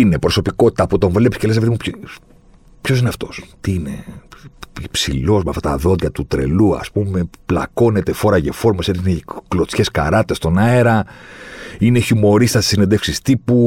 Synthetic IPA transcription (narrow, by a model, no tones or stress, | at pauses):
ine̞pɾo̞so̞piko̞t̪i̥t̪ɐpot̪o̞ɱvlepiskceles̬epeðimup | pço̞s̬ineɐft̪o̞st̪iine̞̰ | ipsḭlo̞zmɐft̪ɐt̪ɐðo̞ðʝɐt̪ut̪ɾe̞̰luɐ̰spume̞plɐ̰ko̞net̪e̞foɾɐʝefo̞ɾmoseineklo̞t͡sçe̞skɐ̰ɾɐt̪t̪est̪o̞nɐeɾɐ | ineçimo̞ɾist̪ɐse̥sined̪e̞fksist̪ipu